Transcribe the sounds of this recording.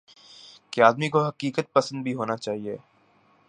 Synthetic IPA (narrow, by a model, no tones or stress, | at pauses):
keaːd̪mikoɦɐkiːkət̪̚pɐsə̃nd̪̚bʱiɦoːnat͡ʃaːɦieː